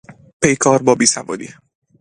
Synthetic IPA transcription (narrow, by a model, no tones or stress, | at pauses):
pʰe̞jkʰɒːɾbɒːbiːsævɒ̰ːd̪ḭ